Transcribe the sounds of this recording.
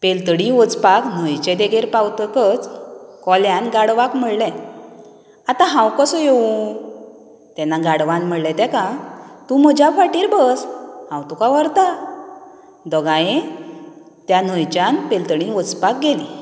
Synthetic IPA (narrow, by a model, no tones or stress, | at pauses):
pelt̪ɽĩʋɔt͡spakn̤əjt͡ɕɛ̃d̪eɡeɾpawt̪əkət͡skɔljanɡaɽʋakm̤əɽlɛ̃ | at̪ãɦãwkəsɔjeʋũ | t̪ɛnaɡaɽʋãnm̤əɽlɛ̃t̪ɛ̃kãt̪ũm̤əd͡ʑʱjapʰaʈiːɾbəshãwt̪ukaʋəɾt̪a | d̪ɔɡajẽ | t̪jan̤əjt͡ɕjanpelt̪əɽĩʋɔd͡zpak̚ɡeli